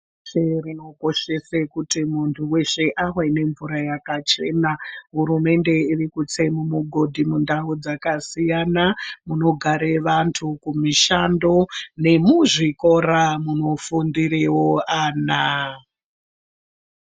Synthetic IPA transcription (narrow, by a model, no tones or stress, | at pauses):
erino̞ko̞ʃe̞sekutimuntʰuwe̞ʃe̞ʔaɦene̞ɱvuɾajakat͡ʃe̞naɦuɾume̞nde̞irikut͡se̞mumuɡʱo̞dʱimundaud͡zakasijanamuno̞ɡʱaɾe̞ʋantʰukumiʃando̞ne̞muʐiko̞ɾamuno̞fundiɾewoaːna